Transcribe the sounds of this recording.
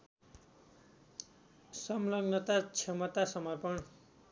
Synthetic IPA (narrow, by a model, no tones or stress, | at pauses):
sʌmlʌɡnʌt̪at͡sʰʌmʌt̪asʌmʌrpʌn